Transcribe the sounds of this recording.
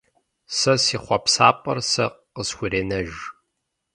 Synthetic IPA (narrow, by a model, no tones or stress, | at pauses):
sɐsiːχʷɔpsaːpʼɐ̰rsɐ̰qqəsxʷʊreːnɐʒ